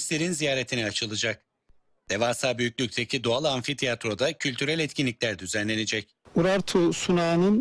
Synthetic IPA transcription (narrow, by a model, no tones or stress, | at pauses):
slʲeɾinzijaːɾe̞t̪ʰiniat͡ʃʰɯlˠɯd͡ʒak̚ | d̪̥e̞vaːsaːbyjycʲlʲyc̚t̪ʰecʰid̪oalˠanfit̪ʰiat̪ɾo̞d̪acʰylʲt̪ʰyɾælʲɛt̪cʰinlʲic̚lʲæɾd̪yzænlʲe̞ned͡ʒɛc | uɾaɾt̪ʰusunaːnɯn